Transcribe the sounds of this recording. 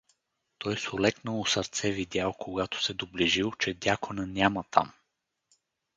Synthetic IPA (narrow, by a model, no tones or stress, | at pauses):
t̪ɔjsʊlɛknəlˠosəɾt̪sɛvid̪ʲjalˠkʰoɡat̪ʊ̥sɛd̪obliʒilˠt͡ʃɛd̪ʲakonənʲamət̪ʰa̰m